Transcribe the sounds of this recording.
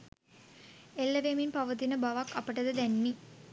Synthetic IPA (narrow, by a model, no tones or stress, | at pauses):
elːəʋeminpaʋət̪inəbaʋakːapəʈəd̪əd̪ænːi